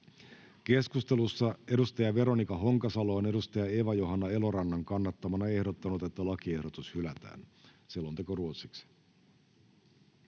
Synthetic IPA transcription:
ke̞skust̪e̞lusːɑe̞dust̪ɑjɑʋe̞ɾo̞nikɑɦo̞ŋkɑsɑloːne̞ɾust̪ɑjɑeːʋɑjoɦɑnːɑe̞lo̞ɾɑnːɑŋkɑnːɑt̪ːɑmɑnɑe̞hdo̞t̪ːɑnut̪et̪ːælɑk̟ie̞hdo̞t̪ushylæt̪æ̰ːnsilːo̞nt̪e̞koruot̪siksi̥

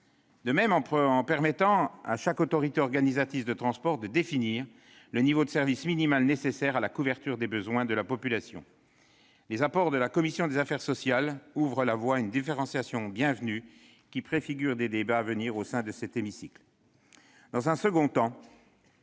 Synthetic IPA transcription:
d̪əmɛmɑ̃pɑ̃pɛʁmɛt̪ɑ̃a̰ʃakot̪ɔʁit̪eɔʁɡanizat̪ivd̪ət̪χɑ̃spɔʁd̪əd̪efiniːʁ | lənivod̪əsɛʁvisminimalnesesɛʁalakuvɛʁt̪yʁd̪ebəzwɛ̃d̪əlapɔpylasjɔ̰̃ | lezapɔʁd̪əlakɔmisjɔ̃d̪ezafɛʁsɔsjaluvʁəlavwaynd̪ifeʁɑ̃sjasjɔ̃bjɛ̃vny | kʲipχefiɡʲyʁd̪ed̪ebaːvəniʁosɛ̃d̪əsɛt̪emisikl | d̪ɑ̃zɛ̃səɡɔ̃t̪ɑ̃

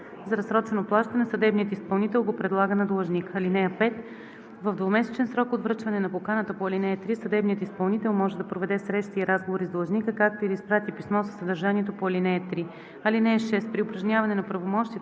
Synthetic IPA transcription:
zɐɾɐsɾɔt͡ʃvɛnoplˠaʃt̪ɐnɛsɐd̪ɛbniət̪ispɐlˠnit̪ɛlˠɡopɾɛd̪lˠaɡənɐd̪olˠɐʒnʲikɐlinɛəpɛt̪ | vəvd̪vomɛsɛ̥t͡ʃɛnsɾɔkod̪vɾɤt͡ʃvɐnɛnɐpokanət̪əpoɐlinɛjət̪ɾisɐd̪ɛbnijət̪ispɐlˠnit̪ɛlˠmɔʒɛd̪ɐpɾovɛd̪ɛsɾɛʃt̪iːɾazɡovoɾizd̪olˠɐʒnikəkak̚t̪oiɾispɾat̪ipismɔsə̥sɐd̪əɾʒaniɛt̪opoɐlinɛət̪ɾi | ɐlinɛəʃɛst̪pɾiopɾɐʒnʲavɐnɛnɐpɾɐvomɔʃt̪iə

